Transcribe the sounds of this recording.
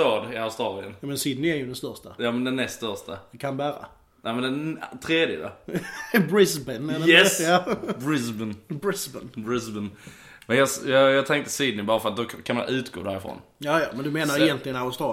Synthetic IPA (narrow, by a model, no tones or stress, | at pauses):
t̪ɑːd̪ɪaʊst̪ɾɑːlɪə̰nmɛnsɪd̪nɪæɾjʉd̪ɛnst̪œɾʂtajɑːmɛnd̪ɛnːɛst̪st̪œʂtaɛkʰanbæːɾa̰ | nʔæɪmɛnd̪ɛnt̪ʰɾeːd̪jə̰d̪ɔ̰ | bɾɪsbənɛjɛsjɑbɹɪsbənbɹɪsbənbɾɪsbən | mɛnjɑsjɑjɑɡt̪ʰɛŋkt̪ə̥sid̪̚nɪbɑːɾafəɾat̪̚d̪ɔkʰanma̰nʉ̟ːt̪ɡ̥o̰ːd̪æ̰ɾɪfɾo̰ːnjɑːjɑ̰ːmɛnd̪ɵmeːnaɾɛjɛnt̪lɪɡənaʊst̪ɾɑː